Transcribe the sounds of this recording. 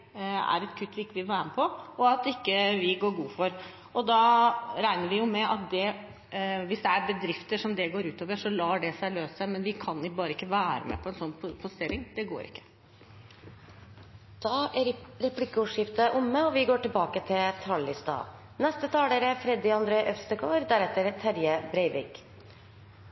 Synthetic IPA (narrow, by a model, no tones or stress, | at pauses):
æ̰ɾɛt̪kʰʉt̪ːʋɪɪkːəʋɪlʋæːɾməpʰɔɔɑt̪ɪkːəʋɪɡoːɾɡuːfɔɾ | ɔd̪ɑɾæɪnəɾʋɪjʊmɛʔɑt̪̚d̪ɛ | ʋɪsd̪ɛæɾbəd̪ɾɪft̪əʂɔmd̪ɛɡoːɾʉːt̪oːʋəʂɔlɑːɖɛsæɪløːssæɪmɛnʋɪkʰɑnɪbɑːɾəɪkːəʋæːɾə̰mɛ̰pʰɔɛnsɔnːppʰɔst̪ɪːɾɪŋd̪̥ɛɡo̰ːɾɪ̰kːə̥ | d̪̥ɑːɾɛpʰlɪkːəuːʂɪft̪əʔʊmːəɔʋɪɡoːʈɪlbɑːkət̪ʰɪlt̪ʰɑːlːɪst̪ɑ̰ː | nɛst̪ət̪ʰɑːleɾəfɾɛd̪ɪɑnd̪ɾeːʔœst̪əɡoːɾd̪æɾɛt̪ːəɾt̪ʰæɾjəbɾɛɪʋɪk